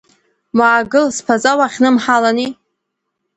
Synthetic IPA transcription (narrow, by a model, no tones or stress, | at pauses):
maːɡɨlspʰazawaχʲnɨmħalani